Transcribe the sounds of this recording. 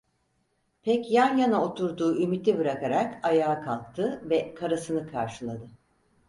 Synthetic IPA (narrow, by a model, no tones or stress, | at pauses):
pʰɛcjænjanao̞t̪ʰuɾd̪uːʔymit̪ʲibɯɾakaɾakajaːkʰalˠk̚t̪ʰɯvɛkʰaɾasɯnɯkʰa̰ɾʃɯlˠad̪ɯ